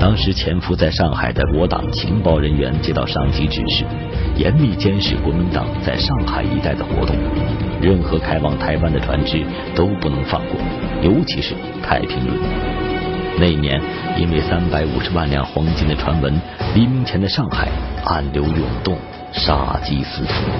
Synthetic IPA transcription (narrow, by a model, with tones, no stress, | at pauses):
t̪ɑ˥ŋʂɻ̩˧˥t͡ɕʰjɛ˧˥nfu˧˥t͡sa˥˧ɪʂɑ˥˩ŋxa̰˨˩ɪd̪ə˦kwɔ˧˥t̪ɑ̰˨˩ŋt͡ɕʰḭ˧˥ŋpɑ˥ʊɻə˧˥nɥɛ̰˧˥nt͡ɕjɛ˥t̪ɑ̰˥˧ʊʂɑ˥˩ŋt͡ɕi˧˥ʈ͡ʂɻ̩˨˩ʂɻ̩˥˩ | jɛ̰˧˥nmi˥˩t͡ɕjɛ˥nʂɻ̩˨˩kwɔ˧˥mi˧˥nt̪ɑ̰˨˩ŋt͡sa˥˧ɪʂɑ˥˩ŋxa˨˩ɪḭ˧˥t̪a˥˩ɪd̪ə˩xwɔ̰˧˥t̪ʊ˥˩ŋɻə˥˩nxɤ˧˥kʰa˥ɪfɑ˥˩ŋt̪ʰa˧˥ɪpa˥˩nd̪ə˩ʈ͡ʂʰwa˧˥nʈ͡ʂɻ̩˥ | t̪o˥ʊpu˥˩nɤ˧˥ŋfɑ̰˥˧ŋkwɔ̰˥˩jo˧˥ʊt͡ɕʰi˧˥ʂɻ̩˥˧ | t̪ʰa˥˩ɪpʰi˧˥ŋʈ͡ʂwə̰˧˩n˨˩ | ne˥˩ɪi˩njɛ̰˧˥n | ḭ˥nwe˥˩ɪsa˥npa˧˥ɪṵ˨˩ʂɻ̩˧˥wa˥˩nljɑ˥ŋxwɑ˧˥ŋt͡ɕʰi˥nd̪ə˨ʈ͡ʂʰwa˧˥nwə˧˥n | li˧˥mi˧˥ŋt͡ɕʰjɛ˧˥nd̪ə˧ʂɑ˥˩ŋxa̰˨˩ɪa̰˥˩nljo˧˥ʊjʊ̰˨˩ŋt̪ʊ˥˩ŋ | ʂa̰˥t͡ɕi˥sɹ̩˥t̪ʰṵ˨˥˦